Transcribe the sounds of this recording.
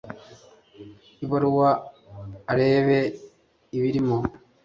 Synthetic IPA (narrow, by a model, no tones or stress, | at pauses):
iβaɾuwaː | ɾeːβe | iβiɾimo